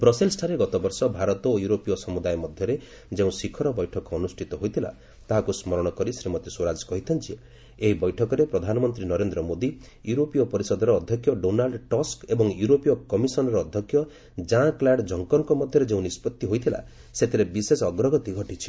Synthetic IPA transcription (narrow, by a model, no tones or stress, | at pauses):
bɾɔsilsʈʰaɾeɡɔt̪ɔbɔɾsɔbʱaɾɔt̪ɔjuɾopijɔsɔmud̪ajmɔd̪ʱjɔɾe | d͡ʒeũsikʰɔɾɔbɔjʈʰɔkɔɔnusʈʰit̪ɔɦojt̪ʰila̰ | t̪aɦakusmɔɾɔɽ̃ɔkɔɾisɾimɔt̪isoɾad͡ʒkɔɦit̪ʰɔnt͡ʃʰi | eɦibɔjʈʰɔkɔɾepɾɔd̪ʱanɔmɔnt̪ɾinɔɾend̪ɾɔmod̪i | juɾopijɔpɔɾisɔd̪ɔɾɔːd̪ʱjɔkʰːjɔɖonalɖʈɔskebɔŋjuɾopijɔkɔmisɔnɔɾɔːd̪ʱjɔkʰːjɔ | d͡ʒãklaɖd͡ʒʱɔŋkɔŋkɔmɔd̪ʱjɔɾed͡ʒeũnispɔt̪ːiɦojt̪ʰila̰ | set̪ʰiɾebisesɔɡɾɔɡɔt̪iɡʱɔʈit͡ʃʰi̥